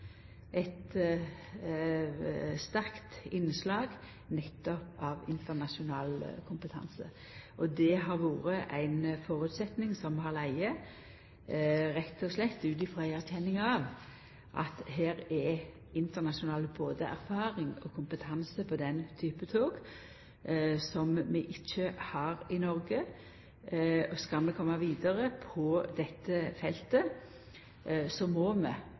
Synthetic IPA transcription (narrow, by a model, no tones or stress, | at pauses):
ʔɛɪt̪ | st̪æʁkt̪ɪnslɑːɡ | nɛt̪ːɔpɑʋɪ̰nt̪ənɑʂʊnɑːlkʰʊmpət̪ʰɑ̰nsə̰ | ʔɔd̪ɛɦɑɾʋuːɾəʔæɪnfɔʁʉːt̪sɛt̪nɪŋsɔmɦɑlæɪə | ʁɛt̪ːɔslɛt̪ːʉːt̪ɪfʁæɪæʁɕɛnːɪŋɑʋ | ʔɑ̰t̪ɦæːɾɛ | ɪnt̪ənɑʂʊnɑːləboːd̪əʔæ̰ɾfɑːɾɪŋɔkʰʊmpət̪ʰɑnsəpʰɔd̪ɛnt̪ʰyːpət̪ʰoːɡ̥ | sɔmmɛʔɪc͡çːəhɑɾɪnɔɾɡə | ɔskɑlmɛkʰɔmːɑʋiːd̪əɾəpʰɔd̪ɛt̪ːəfɛlt̪ə | sɔmɔːmɛ̰